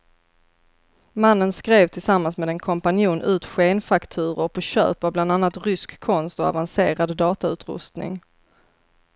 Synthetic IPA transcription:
manːənskɾeːvt̪ʰɪlsamːansmeːd̪ɛnkʰɔmpanjuːnʔʉ̟ːt̪ɧeːnfakt̪ʰʉ̟ːɾʊɾpʰɔɕœ̰ːpavbland̪anːat̪ɾʏskʰːɔnst̪ɔa̰vanseːɾad̪ːɑːt̪aʉ̟ːt̪ɾɵ̰st̪nɪ̰ŋ

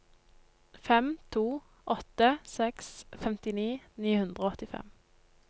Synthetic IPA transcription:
fɛmt̪ʰuː | ʔɔt̪əsɛksfɛmt̪ɪniːniːhʉnd̪ʁəoːɔt̪ɪfɛ̰m

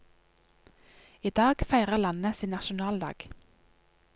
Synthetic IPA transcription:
iːd̪ɑːɡfæɪʁəʁlɑnəsiːnnɑʃʊnɑːld̪ɑ̰ːɡ̥

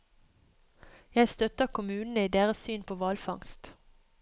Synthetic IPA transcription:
jæɪst̪œt̪əʁkʰʊmʉːnn̩əiːd̪eːʁəssyːnpʰoːʋɑːlfɑŋst̪

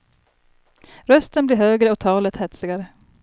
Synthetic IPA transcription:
ɾœst̪ənblɪːɾɦøːɡɾəɔt̪ʰɑːlət̪hɛt̪sɪɡaɾə

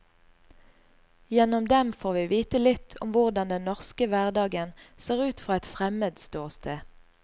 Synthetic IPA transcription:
jɛnɔmd̪ɛmfoːʁʋiːʋiːt̪əlɪt̪ʰɔ̰mʋʊʁd̪ɑnd̪ɛnnɔʁskəʋæʁd̪ɑːɡənseːʁʉːt̪fʁɑːɛt̪fʁɛməd̪st̪oːʁst̪ʰeː

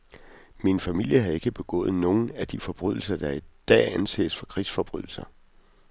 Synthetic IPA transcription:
minfæmil̰jəɦɑe̝ɡ̥əb̥e̝ɡ̥ɔ̰̽ːð̞̩ˠno̝ːn̩æd̥ifɒ̽b̥ʁyð̰ˠl̩sɐd̥ɑ̈id̥ɛ̰ːænse̝̰ːsfɒ̽kʰʁisfɒ̽b̥ʁyð̞ˠl̩sɐ

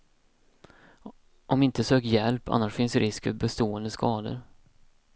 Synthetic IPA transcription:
ʔɔmɪnt̪əsøːkjɛlpʰa̰nːaʂfɪnsɾɪskfœbɛst̪oːɛnd̪əskʰɑːd̪ə̰ɾ

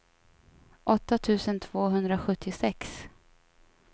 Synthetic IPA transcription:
ʔɔt̪ːat̪ʰʉ̟ːsənt̪ʰv̥oːɦɵnd̪ɾaɧɵt̪ʰːɪsɛks

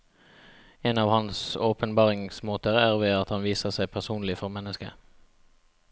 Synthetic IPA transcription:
eːnɑːʋhɑnsoːpənbɑːʁɪŋsmoːt̪əʁæːʁʋeːɑt̪hɑnʋiːsəʁsæɪpʰæʁsuːnlɪfɔʁmɛnːəskə̰

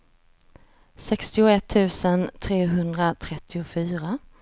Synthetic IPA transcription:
sɛkst̪ɪʊɛt̪ʰːʉ̟ːsənt̪ʰɾeːɦɵnd̪ɾat̪ʰɾɛt̪ʰːɪʊfyːɾa

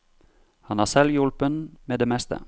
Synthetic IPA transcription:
hɑnhæsɛljʉlpənmeːd̪eːmɛst̪ʰə̰

